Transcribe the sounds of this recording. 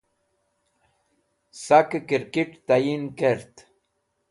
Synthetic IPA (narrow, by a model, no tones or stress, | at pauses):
sakkiɾkiʈt̪ajinkeɾt̪